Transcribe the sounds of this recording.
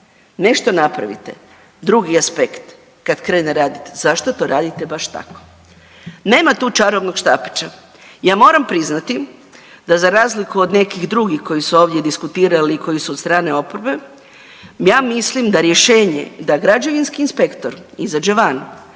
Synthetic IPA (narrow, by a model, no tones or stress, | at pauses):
ne̞ʃt̪o̞napɾa̰ʋḭt̪e | d̪ɾuɡiaspekt̪ | kad̪kɾeneɾaːd̪it̪e̥zaʃt̪ot̪o̞ɾaːd̪it̪e̞baʃt̪a̰ko̥ | ne̞ːmat̪uːt͡ʃaɾoʋnoɡʃt̪aːpe̥t͡ʃa | jaːmo̞ːɾampɾiznat̪i | d̪azaɾaːzlikuod̪ne̞kiɣd̪ɾuɡixko̞jisuo̞ːʋd̪ʲjed̪iskut̪iːɾaliːko̞jisuod̪st̪ɾaːne̞o̞poɾbe̞ | jaːmislimd̪aɾje̞ʃe̞ːɲe̞̰d̪aɡɾad͡ʒoʋinskiːnspe̞kt̪oɾizad͡ʒeʋan